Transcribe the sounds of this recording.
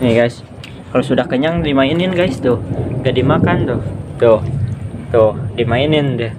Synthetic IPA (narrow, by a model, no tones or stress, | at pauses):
niɡajs | kalosudahkəɲaŋdimainɪnɡajst̪ʊhɡadimakant̪ʊht̪ʊht̪ʊhdimainɪndɪ